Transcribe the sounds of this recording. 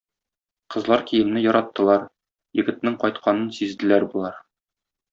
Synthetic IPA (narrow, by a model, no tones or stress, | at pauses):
qɤ̆zlˠɑɾkijɘ̆mnɘjɒɾɑt̪ːɤ̆lˠɑɾ | jɘ̆ɡɘ̆t̪̚nɘŋqɒjt̪qʰɑnɤnsizd̪ɘ̆læɾbulˠɑɾ